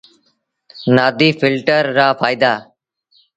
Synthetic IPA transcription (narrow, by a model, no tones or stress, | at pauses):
naːd̪iːfʰɪlʈəɾːaːfʰaːjɪd̪aː